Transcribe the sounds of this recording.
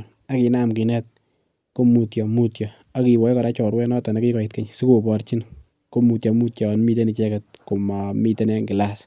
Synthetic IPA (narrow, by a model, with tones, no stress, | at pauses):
a˦ki˨na˦mki˨nɛ˦t̚ | ko˦mu˨tjɔ˨mu˦tjɔ˨ | a˦ki˨wɔ˨jkɔ˨ɾa˦t͡ʃɔ˨ɾwɛ˦nɔ˦ta˨na˨ki˦kɔ˨ɪ˨tke˦ɲsu˦ko˨pɔ˨ɾt͡ʃi˦n | ko˦mu˨tja˨mu˦tjɔ˨nmi˦te˦ni˨t͡ʃɛ˦kɛt̚ko˨ma˨mi˦te˦nɛ˦ŋɡɪ˨las